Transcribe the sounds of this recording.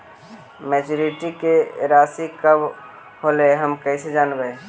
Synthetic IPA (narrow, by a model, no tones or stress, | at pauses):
mɛt͡ʃuɾiʈikeɾasikəb | holeɦəmkəsed͡ʒaːnbɛ